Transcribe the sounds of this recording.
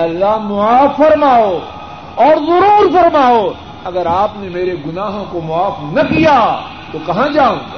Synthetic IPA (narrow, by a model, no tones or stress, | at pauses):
ɐlːaɦmʊaːfːɐɾmaːo | ɔːɾzɐɾuːɾfɐɾmaːo | ɐɡəɾaːpnemeːɾeɡʊnaːɦõkomʊaːfnɐkija | t̪okɐɦãd͡ʒaːũː